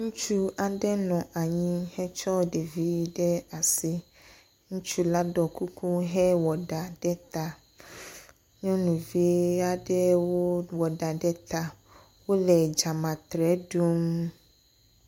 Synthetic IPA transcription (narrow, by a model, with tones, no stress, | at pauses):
ŋũ˦t͡ʃu˦a˨ɖɛ˦nɔ̃˨ʔa˨ɲĩ˦hɛ˦t͡ʃɔ˦ɖe˨vi˨˦ɖɛ˦a˨si˦ | ŋũ˦t͡ʃu˦la˦ɖɔ˨ku˦ku˦ɦɛ˦wɔ˨ɖa˨ɖɛ˦t̪a˨ | ɲɔ̃˦nũ˨vi˦a˦ɖɛ˦wo˦wɔ˨ɖa˨ɖɛ˦t̪a˦ | wo˦lɛ˨d͡ʒa˨mã˨t̪ɾɛ˨˦ɖu˦m